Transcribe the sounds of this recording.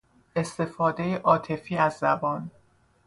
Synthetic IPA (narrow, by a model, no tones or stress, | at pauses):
ʔe̞st̪e̞fɒːd̪e̞jeʔɒːt̪ʰe̞fiːæzːæbɒːn